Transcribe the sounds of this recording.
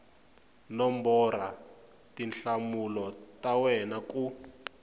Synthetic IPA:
nɔmbɔra | tinɬamulɔtawɛnaku

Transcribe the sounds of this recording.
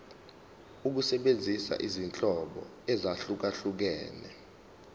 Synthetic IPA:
uk̬usɛɓend͡zʱisa̰ʔizint͡ɬʼɔɓɔ̰ | ɛzaɬuk̬aɬuk̬ɛːnɛ

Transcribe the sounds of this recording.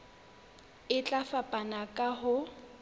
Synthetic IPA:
ɪt͡ɬʼafapʼanakʼaɦʊ

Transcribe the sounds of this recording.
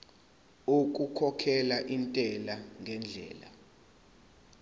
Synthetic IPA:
uk̬ʼukʰɔkʰɛlaʔintʼɛlaŋʱɛnd͡ɮʱɛ̰ːla̰

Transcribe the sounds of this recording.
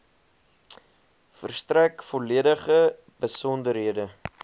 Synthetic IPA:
fərstrækfɔliədəχə | bəsɔndəɾɦiədə

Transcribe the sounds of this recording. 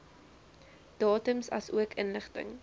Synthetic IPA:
d̥ɑːtəmsɐ̰suəkʰənləχtə̰ŋ

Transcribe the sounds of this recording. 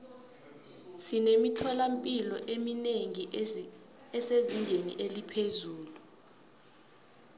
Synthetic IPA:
sinemitʰɔlam̩pʼilɔʔemineŋi | ɛseziŋɡʱenḭʔelipʰezuːlu

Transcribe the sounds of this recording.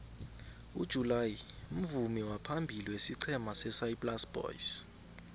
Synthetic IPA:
ud̥ʒ̥ʱulajium̩vumiwapʰambʱiliwesiǀʰɛmasɛsajpʼlasb̥ɔ̰js

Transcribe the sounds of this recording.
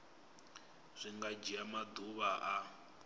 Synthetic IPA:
z̥ʷiŋɡad͡ʒiamad̪uβaʔa

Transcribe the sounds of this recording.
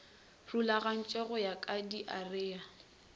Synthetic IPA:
rulaɣan̩t͡ʃʼɔɣɔjakʼadiʔarɪːa

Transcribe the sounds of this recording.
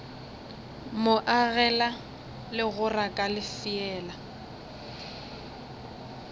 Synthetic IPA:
mʊʔaɣɛla | lɪɣʊrakʼalɪfɪɛːla

